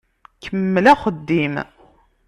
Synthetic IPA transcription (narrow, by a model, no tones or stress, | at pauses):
kʰəmːəlæχəd̪ːim